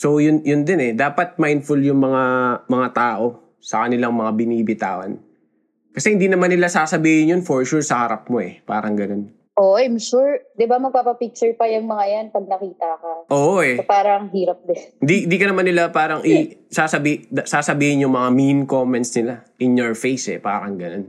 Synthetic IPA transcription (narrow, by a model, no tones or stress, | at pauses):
so̞jʊnjʊnd̪ɛnɛd̪aːpɐt̪̚majnd̪fʊljʊŋmɐŋamɐŋat̪aːʔo̞ | sɐkɐnɪlaŋmɐŋabɪniːbɪt̪a̰ːwɐ̰n | kɐsɛhɪnd̪inɐmanːɪlasaːsɐbiːhɪnjʊnfoɹʃuɹsɐhɐɾap̚mo̞ʔɛpa̰ːɾɐŋɡɐno̞n | ʔoajmʃuɹd̪ɪbamɐɡ̚papɐpik̚t͡ʃʊɹpɐjʊŋmɐŋajanpɐɡ̚nɐkiːt̪ɐkɐʔoːʔoʔɛpaːɾɐŋɦiːɾɐp̚d̪ɛɪnd̪iɪnd̪iːkɐnɐmanːɪlapaːɾɐŋʔɪsaːsɐbisaːsɐbiːhɪnjʊŋmɐŋaminkomɛnt̪̚snɪlaʔɪnjoɹfejsʔɛ̰pa̰ːɾɐŋɡɐnon